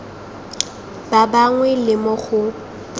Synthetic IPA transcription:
babaŋwɛlɪmʊχʊ

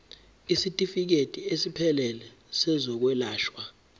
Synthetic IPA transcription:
isitʼifik̬etʼiesipʰɛlɛlɛ | sɛzɔk̬wɛlaːʃwa

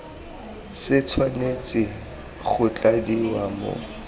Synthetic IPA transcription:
sɪt͡sʰwanet͡sʼɪ | ɣʊt͡ɬʼadiwamʊ̰

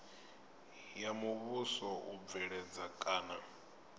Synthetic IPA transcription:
jamuβusɔub̪vɛɺɛd͡zakʼaːna

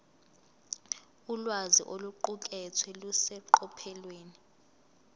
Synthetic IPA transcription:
ulwazḭʔoluǃuk̬ʼɛt͡sʰwɛlusɛǃɔpʰɛlweːni

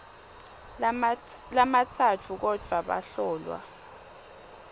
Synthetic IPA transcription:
lamatʰatʰuk̬ɔd̥ʱwaɓa̰ɬɔːlwa̰

